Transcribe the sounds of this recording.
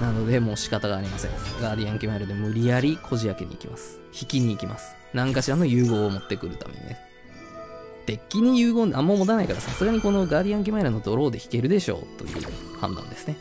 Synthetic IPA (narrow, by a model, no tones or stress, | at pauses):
nano̞d̪e̞mo̞ːɕi̥kat̪aɡaːɾʲimasẽ̞̰ŋɡaːɾʲiãŋkʲimaiɾɯd̪e̞mɯ̟ɾʲijaɾʲikʰo̞ʑiakeɲ̟ḭikʲimasɨ̥ | çikʲiɲ̟iːkʲimasɨ̥ | nãŋkaɕiɾano̞jɯ̟ːɡo̞ːmo̞t̪ːe̞kɯ̟ɾɯ̟t̪a̰me̞̰ɲḭne | t̪e̞kʲːiɲ̟ijɯ̟ːɡo̞ːnʔamːomo̞t̪anaikaɾasasɨɡaɲ̟iko̞no̞ɡaːɾʲiãŋk̬ʲimaiɾɯ̟no̞d̪o̞ɾo̞ːd̪e̞çi̥ke̞ɾɯ̟d̪e̞ɕo̞̰ːt̪o̞̰jɯ̰ːhã̰nd̪ã̰nd̪e̞sɨ̥ne̞